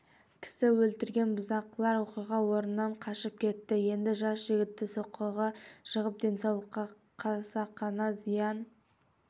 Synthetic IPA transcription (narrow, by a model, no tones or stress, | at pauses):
kʲʰɪ̥sɪwɵlt̪ɪɾɡʲe̞nbʊzɑqlˠɑɾwo̞qijʁɑwo̞ɾənnːɑɴqʰɑʃəp̚kʲʰe̞t̪ːɪje̞nd̪ɪʒɑsʒɪɡʲɪt̪ːɪsoqːəʁɑʃəʁəp̚d̪e̞nsɑwlˠəqːɑ | qʰɑsɑqʰɑnɑzijɑn